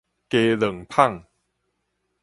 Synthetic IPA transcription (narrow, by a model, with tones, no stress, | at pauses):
keː˧lɤ˨˩˦ŋpʰa˥˩ŋ